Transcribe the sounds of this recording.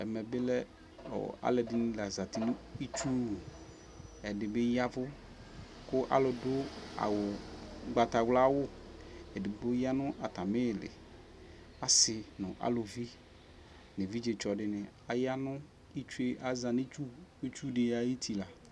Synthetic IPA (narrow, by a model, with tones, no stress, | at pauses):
ɛ˨mɛ˨bɪ˦lɛ˦ | ɔ̰˨a̰˨˦lɛ˨dɪ˨nĩ˦la˨za˨tɪ˨nʊ̃˦i˦t͡ʃu˦˨ | ɛ˨dɪ˨bɪ˦ja˦vʊ˦ | kʊ˦ʔa̰˦lʊ˨dʊ˦a̰˨wʊ˨ɡ͡ba˨ta˨ɡla˦wʊ˦ɛ˨dɪ˨bʊ˦ja˦nʊ̃˦ʔa˨ta˨mɪ˦˨lɪ̰˨ | a˨sɪ˨nʊ̃˨ʔa̰˦lo˨vi˦ | nɪ˨vi˦d͡ʒe˨t͡ʃɔ˨dɪ˦nɪ̃˨ | a˨ja˦nʊ̃˦ | i˦t͡ʃe˦ʔa˦za˨ni˦t͡ʃu˦i˦t͡ʃu˦dɪ˨ja˦ji˦t̪ʰi˨la˨